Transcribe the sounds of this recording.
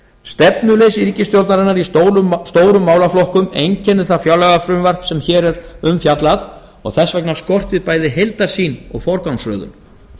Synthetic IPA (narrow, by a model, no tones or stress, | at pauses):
st̪ɛpnʏlejsɾicɪst̪jow̪t̪naɾɛnːaɾist̪oːwɾʏmːaːwlaflɔhkʏmḛjɲcʰɛnːɪθafjawlɛɣafɾʏmvar̥t̪sɛmçɛːɾɛɾʏmfjat̪laθ | ɔ̰ɣθɛsːvɛknḁskɔr̥t̪ɪðpaːjðɪɦejlt̪ḁsiːnɔ̰ɣfɔɾkawnsrœ̰ːðʏ̰n